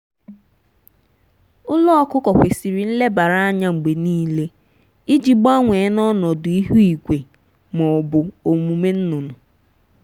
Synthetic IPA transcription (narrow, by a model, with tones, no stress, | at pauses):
ʊ˦lɔ˦ɔ˦kʊ˦kɔ˨kʷe˨si˨ɾi˨n̩˦le˦ba˨ɾa˦a˦ɲa˦ŋ͡m̩˨ɡ͡be˨niː˦le˦ | i˦d͡ʒi˨ɡ͡ba˦ŋʷe˨˦nɔ˦nɔ˨dʊ˨i˦ɦu˦i˨kʷe˨ | mɔ˨bʊ˨o˨mu˨me˦n̩˦nʊ˨nʊ˨